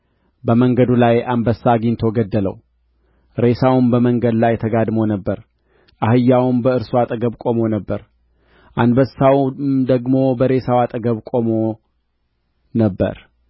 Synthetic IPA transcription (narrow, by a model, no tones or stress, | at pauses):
bəməŋɡəd̪ulajanbəsːaɡint̪ʰo̞ɡəd̪ːələ̰w | ɾe̞sawmbəməŋɡəd̪lajt̪ʰəɡad̪mo̞nəbːəɾ | ʔahɨjːawmbəɨɾsoat̪ʼəɡəβkʼo̞mo̞nəbːəɾ | ʔanbəsawmd̪əɡmo̞bəɾe̞sawat̪ʼəɡəβkʼo̞mo̞ | nəbːə̰ɾ